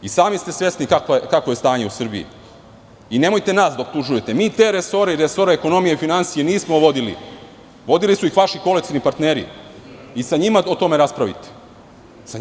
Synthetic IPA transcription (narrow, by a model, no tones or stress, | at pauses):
isaːmist̪e̞sʋe̞snikakokakʋo̞je̞st̪aːɲe̞usr̩biḭ | ine̞mo̞jt̪e̞naːsd̪aop̚t̪uʒuje̞t̪emiːt̪e̞ːɾeso̞ɾeiɾeso̞ɾeeko̞no̞mijeifinansijeniːsmoʋo̞d̪ilḭ | ʋo̞d̪ilisuixʋaʃiko̞lekt̪inipaɾt̪neːɾḭ | isaɲimaot̪o̞me̞ɾaspɾaʋḭt̪e̥ | sa